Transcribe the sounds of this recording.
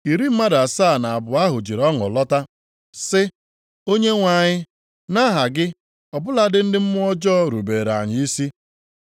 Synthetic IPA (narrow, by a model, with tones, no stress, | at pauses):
i˨ɾi˦m̩˦ma˦da˨saː˦˨na˨a˨bʊ˨a˦ɦʊ˨d͡ʒi˨ɾɔ˦ŋɔ̰˨lɔ˦ta˦ | sɪ˦ | o˦ɲe˦ŋʷa˨ɲɪ˦ | na˦ɦa˨ɡɪ˦ | ɔ˨bʊ˦la˦dɪ˦n̩˦dɪ˦m̩˦mʊ˦ɔ˦d͡ʒɔː˦ɾṵ˨beː˨ɾa̰˨ɲɪ˨i˦si˦